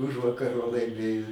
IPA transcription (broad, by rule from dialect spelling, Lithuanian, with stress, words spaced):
ˈʊʒʋɐkɐr ʋɐ lˠɐɪˈmʲeːjoː